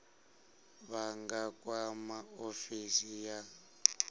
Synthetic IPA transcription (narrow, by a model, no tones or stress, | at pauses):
βaŋɡakwamaofisija